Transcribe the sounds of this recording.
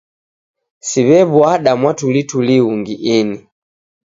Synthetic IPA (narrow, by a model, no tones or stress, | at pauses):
siβɛβwaɗamwatulituliuŋɡiʔini